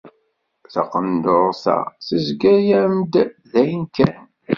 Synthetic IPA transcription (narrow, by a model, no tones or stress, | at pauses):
θɑqənd̪oɾˤθæ̰θəzɡæjæmd̪ðæjənkæn